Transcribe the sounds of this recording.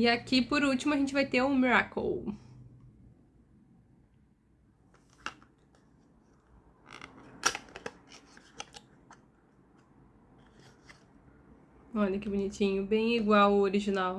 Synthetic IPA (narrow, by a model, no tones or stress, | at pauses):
ɪakipoɾut͡ʃimʊɐʒẽnt͡ʃɪvajt̪eɾʊ̃miɾako̰w | ɔʎɐkɪbʊnit͡ʃĩɲʊbẽj̃iɡwawʊoɾiʒinaw